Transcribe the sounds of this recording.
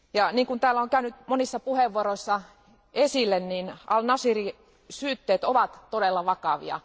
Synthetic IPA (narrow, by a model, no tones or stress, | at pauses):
jɑniːŋkunt̪æːlːæoŋkæynyt̪monisːɑpuheʋːuoɾoisːɑ | esilːenniːnɑ̰lnɑsiri | syːt̪ːeːt̪oʋɑt̪t̪odelːɑʋɑkɑʋḭɑ̰